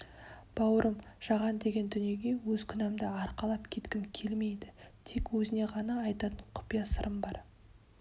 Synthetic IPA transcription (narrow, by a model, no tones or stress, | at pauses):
b̥ɑwəɾəmʒ̥ɑʁɑnd̪e̞ɡʲe̞nd̪ʏnije̞ɡʲe̞wɵzkʲʰʏnɑmd̪ɪɑɾqɑlˠɑpkʲʰe̞t̪kʲɪmkʲʰe̞lme̞jd̪ɪt̪ʰe̞kwɵzɪne̞ʁɑnɑːjt̪ɑt̪əɴqʰʊ̥pijɑsəɾʔəmbɑɾ